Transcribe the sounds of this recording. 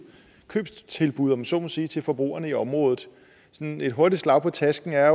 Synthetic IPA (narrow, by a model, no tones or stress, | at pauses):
kʰø̰ːb̥t͡sʰe̝lb̥uð̞̰ˠɒ̽mso̝ːmæsiːt͡sʰe̝lfɒ̽b̥ʁṵːɐnəiɒ̽mʁɔ̽ːð̞ˠð̩ˠ | sɔne̝d̥ɦo̝ɐd̥i̥slɑ̈ʊ̰pʰɒ̽t͡sʰæsɡ̥n̩æɐ